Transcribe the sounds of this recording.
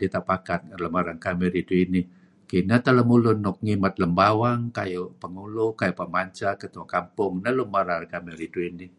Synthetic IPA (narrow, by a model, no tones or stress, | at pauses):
dit̪aʔpakat̪̚ləmaɾaŋkamɪɾiduini | kinat̪ələmulʊnʊk̚ŋimat̪̚ləmbawaŋkajopəŋulʊkajopəmaɲt͡ʃakət̪uwakampʊŋnalumaɾaŋkamɪɾiduini